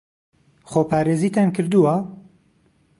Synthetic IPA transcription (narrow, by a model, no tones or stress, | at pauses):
χoːpʰaːɾeːziːt̪ʰaːnkɨɾd̪uwɐ